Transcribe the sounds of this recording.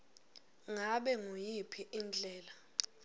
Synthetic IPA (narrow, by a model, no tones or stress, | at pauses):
ŋaɓɛŋujipʰiʔind͡ɮʱɛːla